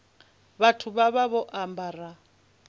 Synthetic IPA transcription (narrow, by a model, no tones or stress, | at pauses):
βatʰuβaβaβɔʔambara